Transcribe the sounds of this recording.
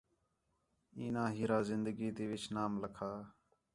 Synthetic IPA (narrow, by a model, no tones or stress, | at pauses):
iːnãːɦiːɾaːzɪnd̪əɡiːt̪eːʋɪt͡ʃnaːmləkʰaː